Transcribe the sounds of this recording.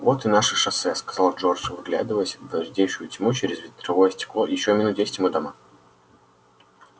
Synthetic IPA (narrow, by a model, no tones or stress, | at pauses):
vo̞t̪ɨnaʂɨʂɐsɛskɐz̥alˠʐo̞rʐvɨɡlʲa̰d̪ɨvəjəsʲvd̪ɐʐdʲejʂʊjʊtʲmut͡ɕeɾʲɪzvʲɪt̪ɾɐvojəsʲtʲɪ̥klˠojɪɕːomʲɪnut̪d̪ʲesʲɪtʲɪmɨd̪ɐma